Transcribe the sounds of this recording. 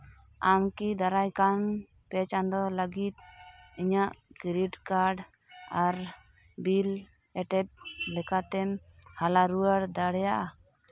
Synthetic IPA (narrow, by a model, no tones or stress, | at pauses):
amkid̪aɾajkam | pɛt͡ʃand̪ɔləɡit̪̚iɲaʔkiɾiʈkaɾɖ | aɾ | bil | ɛʈɛp̚lɛkat̪ɛm | halaɾuwaɽd̪aɽɛjaʔa